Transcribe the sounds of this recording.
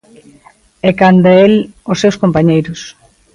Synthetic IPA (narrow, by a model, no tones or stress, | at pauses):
ɛkand̪oelʊsːewskompaɲejɾʊs